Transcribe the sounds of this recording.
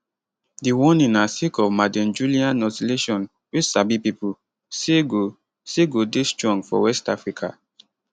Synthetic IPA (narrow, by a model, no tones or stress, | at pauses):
diwɔnĩnasikɔvmadɛ̃nd͡ʒuliãnːɔtileʃɔ̃n | wisabipipu | seɡo | seɡodestɹɔ̃ŋɡfɔ̰wɛstafɹikʰa̰